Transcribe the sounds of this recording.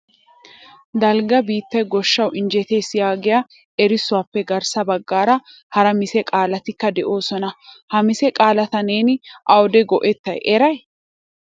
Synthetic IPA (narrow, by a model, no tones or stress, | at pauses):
d̪ɐlɡɐbiːt̪ːɐjɡɔʃːɐwʔɪnd͡ʒɛt̪eːsɪjaːɡɛjɐ | ʔɛɾɪsʊwaːpːɛɡɐɾsɐbɐɡːaːɾɐ | hɐɾɐmɪsɛkʼaːlɐt̪ɪkːɐd̪ɛʔo̞ːsɔnɐhɐmɪsɛkʼaːlɐt̪ɐneːnʔɐwd̪ɛɡɔʔɛt̪ːɐ̰jʔɛɾɐj